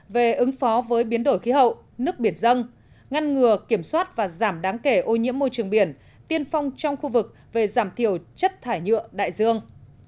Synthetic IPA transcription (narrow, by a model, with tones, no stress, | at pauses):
ve˨˩ʔɨ˨˦ŋfɔ˨˦vəː˨˦jɓi˨˦ənɗo˧˩jxi˨˦ɦə̰˧˨w | nɨ˦˥ək̚ɓi˧˩ənzə˧n | ŋa˧nŋɨ˨˩əki˧˩əmswaː˦˥t̚vaː˨˩zaː˧˩mɗaː˨˦ŋke˧˩ʔo˧ɲḭ˧˥əmːo˧jt͡ɕɨ˨˩əŋɓi˧˩ən | t̪i˧ənfɔ˧wŋ͡mt͡ɕɔ˧wŋ͡mxu˧vɨ˨˩k̚ | ve˨˩zaː˧˩mt̪ʰi˧˩əwt͡ɕə˦˥t̚t̪ʰaː˧˩jɲɨ̰˧˨əɗa̰ː˧˨jzɨ˧əŋ